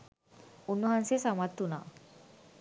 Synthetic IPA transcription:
onːuɦansesamat̪ːuna̰

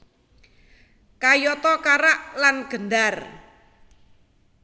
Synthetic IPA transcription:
kajɔt̪ɔkaɾaʔlanɡ̥ə̤ndar

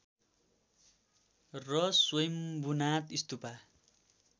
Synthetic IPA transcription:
rʌswʌjmbunat̪ist̪upa

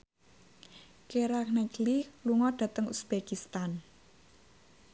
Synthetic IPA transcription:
keɾaknɛklihluŋɔɖ̪̥ä̤t̪əŋusb̥ekist̪an

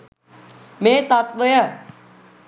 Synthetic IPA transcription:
mẽːt̪at̪ʋəja

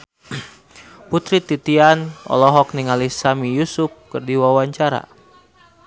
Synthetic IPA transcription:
put̪ɾit̪it̪ianɔ̰lɔɦɔk̚niŋalisamijusʊp̚kɨrdiwawaɲt͡ʃaɾa̰

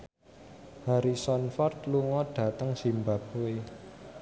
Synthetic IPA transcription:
haɾisɔnfɔrt̪luŋɔɖ̥ä̤t̪əŋsimbap̚oe

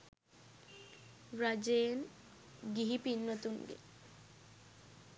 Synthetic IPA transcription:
ɾad͡ʒeːn | ɡiɦipinːət̪unɡḛ

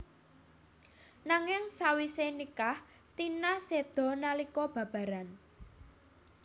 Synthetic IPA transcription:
naŋɪŋsawisenikah | t̪inased̪̥ɔ̤nalikɔb̥a̤b̥ä̤ɾan

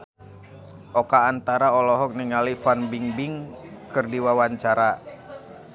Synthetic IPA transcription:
ʔɔkaːnt̪aɾaɔlɔɦɔk̚niŋalifanbiŋbiŋkɨrdiwawaɲt͡ʃaɾa

